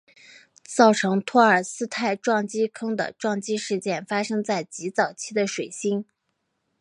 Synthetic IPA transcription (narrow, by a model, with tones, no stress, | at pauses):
t͡sɑ˥˩ʊʈ͡ʂʰɤ˧˥ŋt̪ʰwɔ˥ə˞˨˩sɹ̩˥t̪ʰa˥˧ɪʈ͡ʂwɑ˥˩ŋt͡ɕi˥kʰɤ˥ŋd̪ə̰˨ʈ͡ʂwɑ˥˧ŋt͡ɕi˥ʂɻ̩˥˧t͡ɕjɛ˥˩nfa˥ʂɤ˥ŋt͡sa˥˩ɪt͡ɕi˧˥t͡sɑ˨˩ʊt͡ɕʰi˥d̪ə˨ʂwe˨˩ɪɕi˥ŋ